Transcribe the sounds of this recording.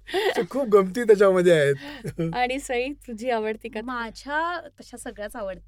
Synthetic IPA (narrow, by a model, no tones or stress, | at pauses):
t͡ɕekʰuːp̚ɡəmt̪iːt̪̬jat͡ɕaməd̪ʱːjeaɦet̪aɽ̃isəɦit̪ud͡ʑʱiːaʋəɽt̪iːkamad͡ʑʱat̪əɕasəɡɭjat͡saʋəɽt̪i